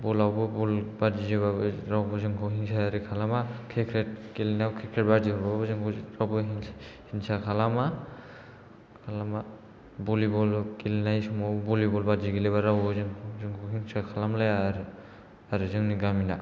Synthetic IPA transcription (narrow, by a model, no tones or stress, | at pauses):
bɔlawbɔbɔlbazizebaɾawbɔzɯŋkʰɔɦiŋsaːɾikʰalamakʰɛkʰɾɛt̚kilnakʰɛkʰɾɛt̚bad͡ʒibababɯzɯŋɾawbɔhiŋsakʰalama | kʰalama | bɔlibɔlkilnajsɔmɔbɔlibɔlbad͡ʒiɡilɛβaɾawbɔzɯŋzɯŋkʰɔɦiŋsakʰalamlajɾ | aɾɯzɯŋniɡamina